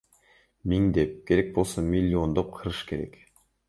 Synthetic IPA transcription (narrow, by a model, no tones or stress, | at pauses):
miŋd̪e̞p̚kʲʰe̞ɾe̞k̚bo̞lˠsomʲilʲːio̞nd̪op̚qʰɯɾɯʃke̞ɾe̞̰k